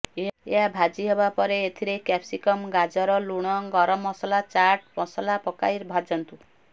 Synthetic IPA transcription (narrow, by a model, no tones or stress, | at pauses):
eeɦabʱad͡ʒiɦebapɔɾeːt̪ʰiɾekɛpʰsikɔmɡad͡ʒɔɾɔluɽ̃ɔɡɔɾɔmɔsɔlat͡ʃaɾʈmɔsɔlapɔka̰jɾbʱad͡ʒɔnt̪u